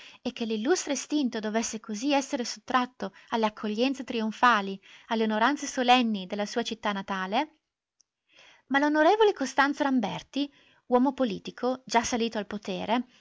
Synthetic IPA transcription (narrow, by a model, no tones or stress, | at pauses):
ek̟ːelːilːust̪ɾest̪int̪od̪ovesːekoziɛsːeɾeso̥t̪ːɾat̪ːoalːeakʰːoʎːɛnt̪set̪ɾioɱfaːlialːeonoɾant̪sesolɛnːid̪elːasuːat͡ʃit̪ːanːat̪aːle | malonoɾeːvolekost̪ant̪soɾambɛrt̪i | wɔːmopolḭːt̪ikʰod͡ʒasːaliːt̪oalpot̪ḛːɾe